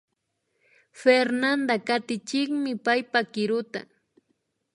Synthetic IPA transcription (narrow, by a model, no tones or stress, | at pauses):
feɾnand̪akat̪ɪt͡ʃɪkmɪpajpakɪɾʊt̪a̰